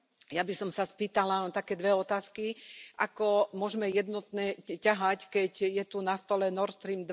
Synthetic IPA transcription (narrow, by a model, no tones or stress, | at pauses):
jabisɔmsaspiːt̪alat̪akɛːd̪ʋɛɔt̪aːskiʔa̰kɔmʊɔʒmɛjɛd̪nɔt̪nɛːcaɦackɛɟjɛt̪unast̪ɔlɛnɔɾst̪ɾiːmd̪